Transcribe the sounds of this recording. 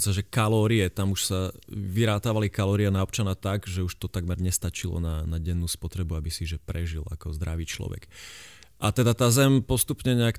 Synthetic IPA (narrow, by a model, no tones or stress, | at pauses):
saʒɛkalɔːɾiɛt̪amuʃsaʋiɾaːt̪aːʋalikalɔːɾianaɔp̚t͡ʃanat̪aɡʒɛuʃt̪ɔt̪aɡmɛɾɲɛst̪at͡ʃilɔ̰nanaɟɛnːuːspɔt̪ɾɛbuabisiʒɛpɾɛʒila̰kɔzd̪ɾaʋiːt͡ʃlɔ̰ʋɛ̰ɡ | ʔat̪ɛd̪at̪aːzɛmpɔst̪upɲɛɲɛak